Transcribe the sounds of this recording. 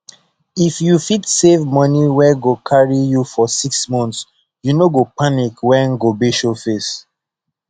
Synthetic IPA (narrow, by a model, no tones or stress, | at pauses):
ifjufitsevmʌniwɛɡokʰaɹijufɔsiksmɔ̃nts | junoɡopanikwɛ̃nɡobeʃofes